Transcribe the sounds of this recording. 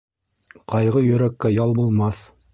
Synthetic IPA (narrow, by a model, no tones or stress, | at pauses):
qɑjʁɤjɵ̆ɾækːæjɑlˠbulˠmɑθ